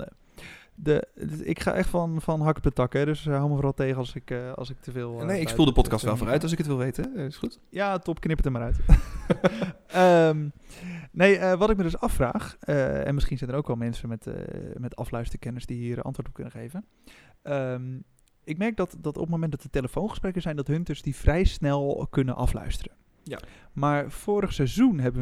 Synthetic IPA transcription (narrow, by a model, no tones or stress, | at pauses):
dəɪ̰kχa̰ːʔɛχtfɔnfɔnɦɑkɔp̚dətɑkɛdøsɦawməfoɾɑlˠteːɣəɑsɪkɑ̰lˠsɪk̚tʰəvɪːlˠnejɪkkspulˠdəpɔtkɑstʋɛlˠvoːɾœɥtɔlˠs̬ɪkətʋɪlˠʋejtəɪsxut | jaːtɔpknɪpətəmaːɾœɥt | əm | nejəʋɔtɪk̚mədøsɑfra̰ːχəɛ̰nmɪsχinsɛjnərowkʋɛlˠmɛnsəmɛtmɛtɑ̰flœɥstərkɛnəɹsdiɦiːərɑ̰ntʋoːɹtɔ̥pkønəxeːvən | əm | ɪk̚mɛrk̚dɔtdɔtɔ̰pətnmowmɛndɔtəteləfoːnχə̥sprɛkəsɛjndɔtɦɵntəsdifrɛjsnɛlˠkønə̰nʔɑ̰flœ̰ɥstərə | maːɹfoːɾəxsɛzunɦɛbə